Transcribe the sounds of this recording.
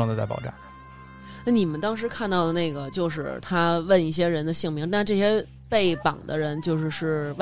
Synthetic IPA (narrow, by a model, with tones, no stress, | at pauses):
ŋd̪ə˩t͡sa˥˩pɑ̰˨˩ʊʈ͡ʂa̰˥˩n | na˥˩ni˨˩mə˦nt̪ɑ˥ŋʂ̬ɻ̩˧˥kʰa˥˧nt̪ɑ˥˩ʊlə˩na˥˩ɪɡə˩t͡ɕjo˥˧ʊʂɻ̩˥˧˩t̪ʰa˥wə˥˧ni˥˩ɕ̬jɛ˥ɻə˧˥nd̪ə˧ɕi˥˩ŋmi˧˥ŋt̪a˥˧ʈ͡ʂɤ˥˩ɕ̬jɛ˥ | pe˥˩ɪpɑ̰˨˩ŋd̪ə̰˦ɻə˧˥nt͡ɕjo˥˧ʊʂɻ̩˥˧ʂɻ̩˥˧w